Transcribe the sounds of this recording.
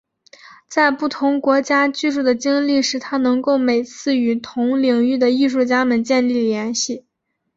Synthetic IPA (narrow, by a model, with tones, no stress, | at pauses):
t͡sa˥˧ɪpu˥˩t̪ʰʊ˧˥ŋkwɔ˧˥t͡ɕja˥t͡ɕy˥˧ʂu˥˩d̪ə˩t͡ɕi˥ŋli˥˩ʂɻ̩˥˩t̪ʰa˥nɤ˧˥ŋko˥˩ʊme˨˩ɪt͡sʰɹ̩˥˩y˨˩t̪ʰʊ˧˥ŋli˨˩ŋy˥˩d̪ə˩i˥˧ʂu˥˩t͡ɕja˥mə˨nt͡ɕjɛ˥˧nli˥˩ljɛ˧˥nɕi˥˩